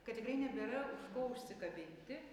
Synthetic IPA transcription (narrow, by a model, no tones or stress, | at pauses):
kɐt̪ʲɛɡɾʲɪnʲɛbʲɛɾɐʊʃkɐʊsʲt̪ʲɪkɐbʲɪnʲt̪ʲɪ